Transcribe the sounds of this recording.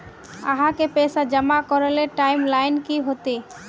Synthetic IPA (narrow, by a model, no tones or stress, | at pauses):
a̰ɦãkepesad͡ʒəmakɔɾeleʈajmlajnkiɦot̪e